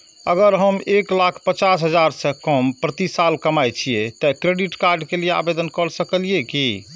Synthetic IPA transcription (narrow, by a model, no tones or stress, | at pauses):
əɡəɾɦəmeklakʰpət͡ʃas̬ɦəd͡ʒaɾsẽkəmpɾət̪isalkəmajt͡ʃʰijet̪əkɾeɖiʈkaɾɖkelijea̰bed̪ənkəɾsəkəlieki